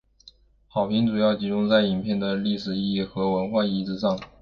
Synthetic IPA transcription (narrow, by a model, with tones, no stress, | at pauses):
xɑ˨˩ʊpʰi˧˥ŋʈ͡ʂu˨˩jɑ˥˩ʊt͡ɕi˧˥ʈ͡ʂʊ˥ŋt͡sa˥˩ɪi˨˩npʰjɛ˥˩nd̪ə˩li˥˩ʂɻ̩˨˩i˥˧ji˥˩xɤ˧˥wə˧˥nxwa˥˧i˥ʈ͡ʂɻ̩˥ʂɑ˥˩ŋ